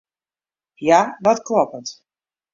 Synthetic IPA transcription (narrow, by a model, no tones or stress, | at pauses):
jaʋɔtklɔpət